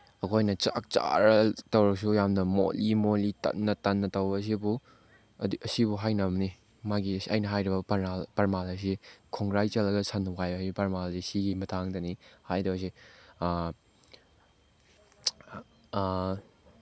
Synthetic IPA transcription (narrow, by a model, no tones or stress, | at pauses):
ɐkʰojnɐt͡ʃa̰k̚t͡ʃa̰ɾɐtɐwɾɐk̚s̬ujamnɐmo̰limolitɐ̰tnːɐtɐnːɐtɐwbɐs̬ibu | ɐsibuɦajnɐmni | maɡisɐ̰jnɐɦajɾibɐpɐɾnalpɐɾmalɐs̬ikʰɔŋɡɾajt͡ʃɐlɐɡɐsʰɐnukajbɐajbipɐɾmalsisiɡimɐtʰaŋdɐnihajɾɐbɐs̬i